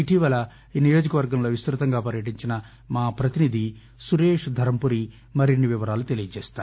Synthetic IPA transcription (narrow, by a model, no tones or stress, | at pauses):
iʈiʋɐlɐ | inijoːd͡ʒɐkɐʋɐɾɡɐmlo̞ːʋist̪ɾut̪ɐŋɡaːpɐɾjɐʈiɲt͡ʃinɐ | maːpɾɐt̪inid̪ʱi | suɾeːʂd̪ʱɐɾɐmpuɾi | mɐɾinːiʋiʋɐɾaːlut̪e̞lijɐt͡ʃeːst̪aːɾu